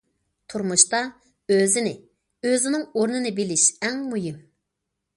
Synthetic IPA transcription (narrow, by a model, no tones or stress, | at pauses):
t̪ʰuɾmuʃt̪ɑ | øzɪnɪ | øzɪnɪŋoɾnɨnɨbɪlɪʃɛŋmujim